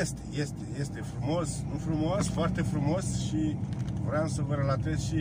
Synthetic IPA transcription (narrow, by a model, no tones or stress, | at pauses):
est̪eje̞st̪eje̞st̪e̞fɾumo̞snufɾumoasfoart̪e̞fɾumo̞sʃivɾeamsəvəɾelat̪ezʃi